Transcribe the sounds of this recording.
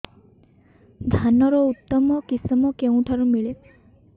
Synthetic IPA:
d̪ʱanɔɾɔut̪ːɔmɔkisimɔkeũʈʰaɾũmiɭe

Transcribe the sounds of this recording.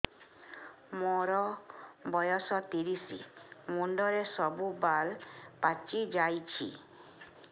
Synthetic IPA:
mɔɾɔbɔjɔsɔt̪iɾisḭmuɳɖɔɾesɔbubalpat͡ʃid͡ʒajt͡ʃʰḭ

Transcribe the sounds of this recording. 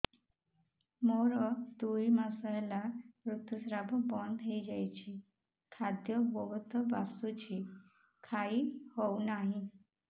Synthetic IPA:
moɾɔd̪uimasəjlamɾut̪jusɾabbɔnd̪ʱejd͡ʑajt͡ɕi | kʰad̪jɔbɔɡt̪ʰɔbasut͡ɕi | kʰaiːhownaɦi

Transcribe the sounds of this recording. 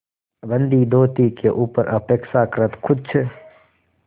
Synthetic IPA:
bə̃nd̪id̪oːt̪ikeʔuːpəɾəpeːkʃakɾət̪kʰʊd̪̚t͡ʃʰə

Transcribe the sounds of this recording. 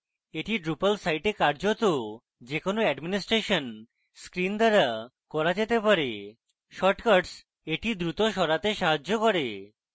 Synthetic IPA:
eʈiɖɾupalsajʈeɾkaɾd͡ʑot̪o | d͡ʑekonoɛɖminisʈɾeʃon | skɾind̪aɾa | kɔɾad͡ʑet̪epaɾe | ʃɔʈkaɾɖs | eʈid̪ɾut̪oʃɔɾat̪eʃaɦad͡ʑokɔɾe

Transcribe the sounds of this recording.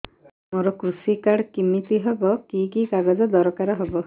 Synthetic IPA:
moɾɔkɾusikaɽkimit̪iɦebɔkikikaɡɔd͡ʒɔd̪ɔɾɔkaɾɔɦebɔ

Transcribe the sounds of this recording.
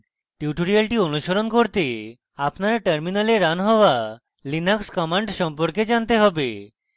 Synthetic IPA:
ʈiuʈoɾialʈionuʃoɾonkoɾt̪e | apnaɾʈəɾminaleɾanɦɔoa | linakskɔmaɳɖʃɔmpoɾked͡ʑant̪eɦɔbe

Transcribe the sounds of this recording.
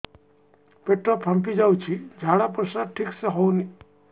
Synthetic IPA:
peʈɾɔpʰãmp̬id͡ʒawt͡ʃʰid͡ʒʱaɽapɾəsaɾʈʰikseɦɔwni

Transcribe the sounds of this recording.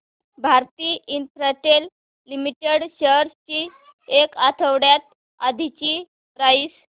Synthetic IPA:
bʱaɾt̪iːint̪ɾaʈelː | imiʈeɽɕəɾst͡ɕi | ekat̪ʰəwɽjat̪̚ | ad̪ʱit͡ɕiː | pɾais

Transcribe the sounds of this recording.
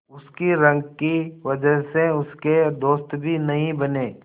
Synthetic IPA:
ʊskiɾɐ̃ŋɡkiʋɐd͡ʒəɦseʊsked̪oːst̪bʱinɐɦĩbɐneː

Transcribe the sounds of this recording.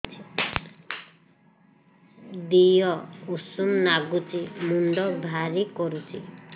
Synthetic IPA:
t͡ʃʰi | d̪ijɔusumnaɡut͡ʃimuɳɖɔbʱaɾikɔɾut͡ʃʰḭ

